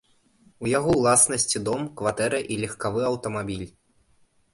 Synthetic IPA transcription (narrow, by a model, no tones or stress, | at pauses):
ujaɣɔwlˠasnɐsʲt͡sʲid̪ɔmkvat̪ɛɾɐʔilʲɛxkavɨɐwt̪ɐmabʲilʲ